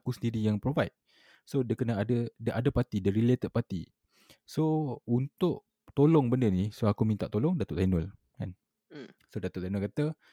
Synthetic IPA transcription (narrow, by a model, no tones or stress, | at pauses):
kusəndiɾijaŋpɾovajt̪̚ | sodəkənəadədəʔadapat̪idaɾilet̪əʔ̚pat̪i | sount̪ʊʔ | t̪olɔŋbəndənisoakumĩnt̪a̰ʔt̪olɔŋdat̪oʔt̪anɔl | ka̰n | sodat̪ʊʔ̪anʊlkat̪ə